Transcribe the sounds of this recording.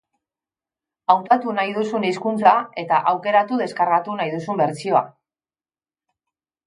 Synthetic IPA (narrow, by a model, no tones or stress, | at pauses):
awt̪at̪unajðusuniskunt͡sae̞t̪aʔawke̞ɾat̪uðe̞skaɾɣat̪unajðusumbe̞ɾt͡sio̞a̰